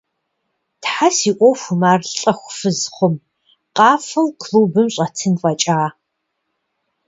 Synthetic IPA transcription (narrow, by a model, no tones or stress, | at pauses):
tħasiːʔʷʼɔxʷʊmaːrɬɬʼɐxʷfɨzχʷʊm | qʼɑːfɨlkʰluːbɨmɕʼɐtʰɨnfʼɐt͡ʃʼaː